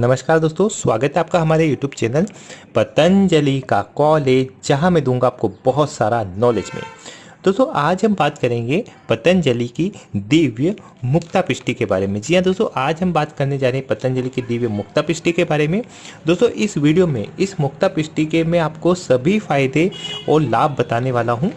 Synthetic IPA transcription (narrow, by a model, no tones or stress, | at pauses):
nɐməʃkaːɾd̪oːst̪õswaːɡət̪aːp̚kaɦɐmaːɾejuːʈjuːbt͡ʃɛːnəl | pɐt̪ənd͡ʒəlikakɔːlɦɛd͡ʒɐɦãmẽd̪ũːŋɡaːp̚kobɐɦʊt̪sa̰ːɾanɔːlḛːd͡ʒmḛ̃ | d̪̥oːst̪õʔaːd͡ʒɦɐmbaːt̪kɐɾẽːŋɡepɐt̪ənd͡ʒəlikid̪iːʋjə | mʊkt̪apɪʃʈikeba̰ːɾemẽd͡ʒiːɦãd̪oːst̪oʔaːd͡ʒɦɐ̃mbaːt̪kɐɾned͡ʒaːɾepɐt̪ə̃nd͡ʒəlikid̪iːʋjəmʊk̚t̪apɪʃʈikebaːɾemẽ | d̪oːst̪oʔɪsʋiːɖijomḛ̃ɪsmʊkt̪apɪʃʈikemɛ̃aːpkosɐbʱifaːɪd̪eɔːɾlaːb̚ːɐt̪aːneʋaːlaɦũː